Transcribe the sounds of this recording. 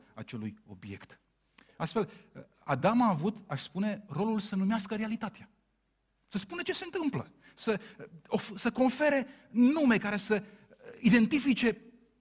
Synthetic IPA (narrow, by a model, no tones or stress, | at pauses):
at͡ʃe̞lujo̞̰bje̞̰kt̪ | ast̪fe̞l | a̰d̪amaːvut̪aʃspune̞ro̞lulsənumeaskəɾealit̪at̪ea | səspunet͡ʃe̞se̞ɨnt̪ɨmplə | səofsəko̞nfe̞ɾe̞nume̞kaɾe̞sə | id̪e̞nt̪ifit͡ʃe̞